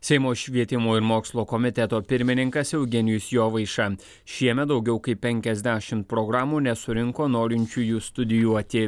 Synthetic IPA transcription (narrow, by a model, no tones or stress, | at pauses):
sʲɛɪmoːʃʲʋʲiɛt̪ʲɪmoːɪɾmoːkslˠoːkɔmʲɪt̪ʲɛt̪oːpʲɪɾʲmʲɪnʲɪŋkɐsɛʊɡʲɛnʲjʊsjoːʋɐɪʃɐ | ʃʲiɛmʲɛd̪ɐʊɡʲɛʊkɐɪpʲɛŋʲkʲɛzʲd̪ʲæːʃʲɪmt̪̚pɾɔɡɾɑːmuːnʲɛsʊɾʲɪŋkoːnoːɾʲɪnʲt͡ʃʲujuːst̪ʊd̪ʲɪjuɔt̪ʲɪ